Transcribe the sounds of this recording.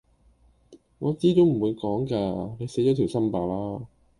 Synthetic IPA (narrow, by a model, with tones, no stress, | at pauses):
ŋɔː˨˧˥t͡siː˥t͡so˨˥m̩˨˩wuː˨˧jkɔː˨˥ŋkaː˧ne˨˧jse˨˥jt͡ʃɔ˨˧t̪ʰi˨˩wsɐ˥mpaː˨˧laː˥